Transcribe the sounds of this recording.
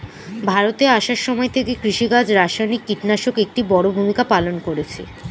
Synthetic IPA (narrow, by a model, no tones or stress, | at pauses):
bʱaɾot̪eaʃaɾʃɔmɔet̪ʰekekɾiʃiɡad͡ʑɾaʃajnikːiʈnaʃokek̚ʈibɔɽobʱumikapalonkoɾet͡ɕʰḛ